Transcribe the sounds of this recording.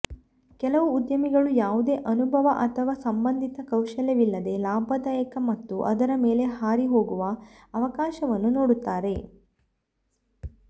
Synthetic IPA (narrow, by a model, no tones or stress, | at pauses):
kɛlɐʋuːd̪jɐmiɡɐɭujaːʋud̪e̞ːʔɐnubʱɐʋɐʔɐt̪ʰɐʋaːsɐmbɐnd̪ʱit̪ɐkɐwʃɐlɐʋilːɐd̪e̞laːbʱɐd̪ɐjɐkɐmɐt̪ːuʔɐ̰d̪ɐɾɐme̞ːle̞ɦaːɾiɦo̞ːɡuʋɐ | ɐʋɐkaːʃɐʋɐnːunoːɽut̪ːaːɾe̞